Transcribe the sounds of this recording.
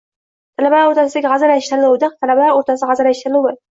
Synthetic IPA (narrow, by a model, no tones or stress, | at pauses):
t̪ʰalabalaɾoɾt̪ʰasɪd̪aɡʲʁɑzaɾaɪʃt̪aɾlˠowd̪ɨq̚t̪ʰalabalaɾoɾt̪ʰasɪʁɑzaɾaʃt̪ɪɾlˠuwɪ